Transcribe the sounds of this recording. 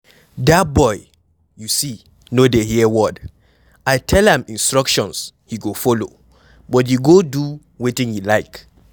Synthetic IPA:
dat̚bɔɪ | jusi | nodehiɛwɔd | aɪtʰɛlɛ̃mĩnstɹɔkʃɔ̃nshiɡofolo̰ | bɔt̬juɡodu | wetɪ̃ŋjulaɪk

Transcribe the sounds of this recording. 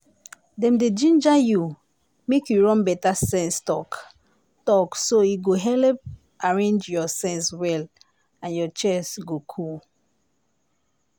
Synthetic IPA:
dɛ̃mded͡ʒĩnd͡ʒaju | mekjuɹɔ̃nbɛtasɛ̃nstɔk | tɔksoiɡoɦɛlp̚ | aɹẽnd͡ʒjɔsɛ̃nswɛl | ãnjɔt͡ʃɛsɡokʰul

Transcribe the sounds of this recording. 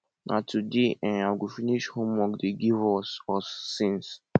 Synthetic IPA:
natʰudeʔɛ̃naɪɡufiniʃhõmwɔkdeɡivɔsɔsːĩns

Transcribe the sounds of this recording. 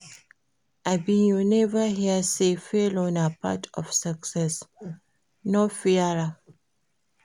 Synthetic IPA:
ʔabĩjonɛvəɦiəsefelonapʰa̰tʰɔ̰fsaksɛs | nɔfiaɹa

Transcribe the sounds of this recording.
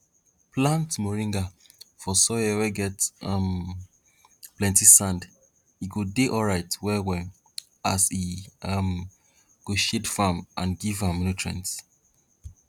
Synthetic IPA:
plãntmɔɹĩŋɡa | fɔsɔjɛwɛɡɛtãm | plɛ̃ntisãnd | iɡodeʔɔlɹaɪtwɛwɛ | asiam | ɡ̥oʃedfamʔã̰nɡivãmnutʰɹɛ̰̃nt

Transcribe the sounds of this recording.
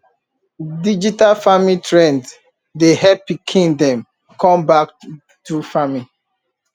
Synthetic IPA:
did͡ʒitalfamitɹɛ̃nd | deɦɛpikʰĩndɔ̃m | kʰɔ̃mbak | tufami

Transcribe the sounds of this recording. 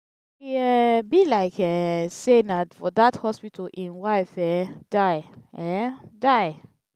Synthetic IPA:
iɛbilaɪkɛsenafɔdathɔspitʰəlʔĩnwaɪfɛdaɪɛdaɪ

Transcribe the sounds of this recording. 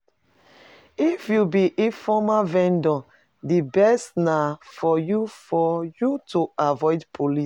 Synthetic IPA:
ifjubiʔefɔmavɛ̃ndɔ̃ | dibɛstnafɔjufɔjutuavɔɪdpʰolis

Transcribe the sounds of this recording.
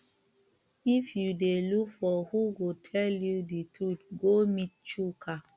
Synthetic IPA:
ifjudelukfɔhuɡotʰɛljuditɹutɡomit̚t͡ʃukʰa

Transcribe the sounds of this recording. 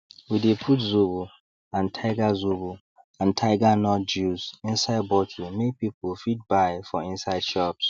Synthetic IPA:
widepʰutzubu | ãntʰaɪɡazubu | ãntʰaɪɡanɔt̚d͡ʒuzĩnsaɪd̚bɔkʰimek̚pipʰəlfit̚bajfɔĩnsaɪdʃɔps

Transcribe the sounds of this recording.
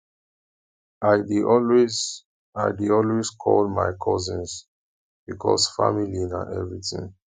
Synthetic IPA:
ʔaɪdiɔlwez | aɪdiɔlweskʰɔldma̰ɪkʰɔzĩns | b̥ikʰɔsfamilinã̰nʔɛvɹitḭ̃ŋ

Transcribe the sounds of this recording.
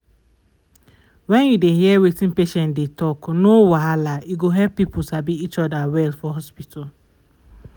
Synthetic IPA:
wɛ̃njudehiɛwetĩnpeʃɛ̃ndetɔknowaalajuɡoɦɛpːipusabiit͡ʃɔdawɛlfɔɦɔspitʰɔl

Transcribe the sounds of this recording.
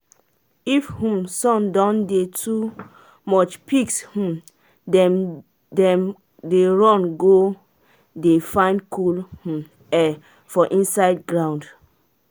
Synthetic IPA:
ifhũmsɔ̃mdɔ̃ndetʰu | mɔt͡ʃpikshũm | dɛm | dɛ̃m | deɹɔ̃nɡo | defãɪ̃ndkʰulhũm | ɛ | fɔʔĩnsaɪdɡɹãnd

